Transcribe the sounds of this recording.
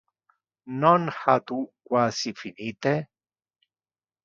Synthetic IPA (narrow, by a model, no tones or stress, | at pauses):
nonhat̪ukwasifinit̪e